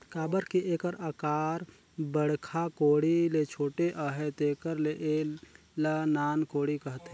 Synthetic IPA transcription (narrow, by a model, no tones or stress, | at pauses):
kaːbəɾkiʔekəɾəkaːɾ | bəɽ̤kʰakoːɽilet͡ʃʰoːʈeʔəɦet̪eːkəɾleʔe | lanaːnkoːɽikəɦt̪ɛ